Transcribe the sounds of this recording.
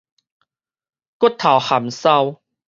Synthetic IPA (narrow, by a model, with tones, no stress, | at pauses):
ku˥˦˥t̪ʰːa˨˩wha˨˩msa˧w